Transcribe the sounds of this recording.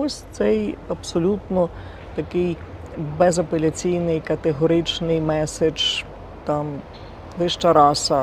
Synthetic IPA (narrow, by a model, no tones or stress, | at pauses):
ɔsʲt̪sɛjɐbsɔlʲut̪nɔ | t̪ɐkɪj | bɛzɐpelʲɐt͡sʲijnɪjkɐt̪eɦɔɾɪt͡ʃnɪjmɛsed͡ʒ | t̪ɑm | lˠɪʃt͡ʃɐɾɑsɐ